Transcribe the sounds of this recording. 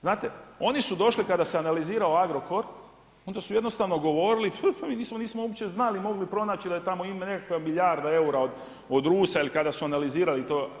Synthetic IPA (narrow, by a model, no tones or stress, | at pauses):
znaːt̪e̞o̞nisud̪o̞ʃlikad̪aseanaliziːɾao̞aɡɾo̞ko̞ɾ | ond̪asuje̞d̪nost̪aʋno̞ɡo̞ʋo̞ɾiliffmiːniːsmo̞niːsmooɡut͡ɕe̞znalimo̞ɡlipɾo̞naːt͡ɕid̪ajet̪amo̞imane̞kakʋamiʎʲjaɾd̪ae̞uɾaod̪ | od̪ɾuːsailikad̪asuanaliziːɾalit̪oː